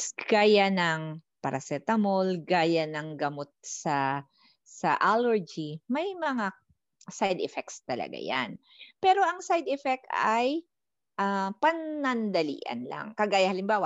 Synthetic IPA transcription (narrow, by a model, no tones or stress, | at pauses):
sɡ̥aːjanɐŋpaɾɐsɛt̪ɐmolɡaːjanɐŋɡɐmot̪̚sɐ | sɐʔalɛɹd͡ʒimɐjmɐŋa | sajd̪ɛfɛk̚t̪st̪ɐlɐ̰ɡa̰ja̰n | pɛːɾo̞ʔɐŋsajd̪ɛfɛk̚t̪ʔaj | ʔapɐnːɐnd̪ɐlḭːʔɐ̰nla̰ŋkɐɡaːjɐhɐlɪmbaːwaʔ